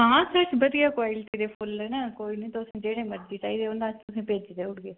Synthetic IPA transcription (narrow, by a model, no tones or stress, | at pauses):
ɦãːsət͡ʃbəd̪ijaːkʋaːɪlʈiːd̪eːpʰʊlːɛːnɛ̃ːkoːiːnĩːt̪oʊsẽːd͡ʒeːɽeːməɾd͡ʒiːt͡ʃaːiːd̪eːond̪aːd͡ʒt̪ʊsẽːpeːd͡ʒd̪eːʊɽɡeː